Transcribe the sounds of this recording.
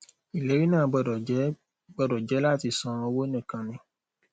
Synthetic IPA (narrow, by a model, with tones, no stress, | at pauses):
i˨le˨˦ɾi˦nãː˦˨˧ɡ͡bɔ˧ɔ˨˦ | ɡ͡bɔ˧dɔ˨d͡ʒɛ˨˦la˦˨ti˧sɔ̃˧ɔ̃˧wo˦nĩ˦˨kã˨nĩ˧